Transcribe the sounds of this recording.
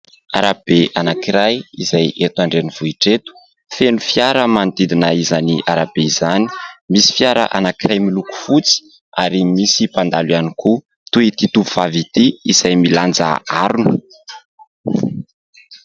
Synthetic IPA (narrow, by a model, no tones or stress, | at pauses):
a̰ɾab̥eanakiɾajḭzajet̪aɳɖ͡ʐeniv̥uiʈ͡ʂet̪u̥ | fenufiaɾəmand̪id̪inəizaniʔaɾab̥eizani̥misi̥fiaɾə̰ʔa̰nakiɾajmiluku̥fut͡si̥ | aɾimisipand̪alwianiku | t̪uit̪it̪uvuv̥avit̪iiz̥ajmiland͡za̰aɾunə